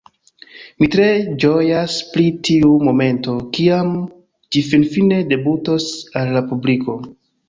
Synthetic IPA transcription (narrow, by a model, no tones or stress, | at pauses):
mitɾe̞d͡ʒo̞jaspɾitʰiumo̞me̞nto̞kiam | d͡ʒifinfine̞de̞buto̞salːapubliko̞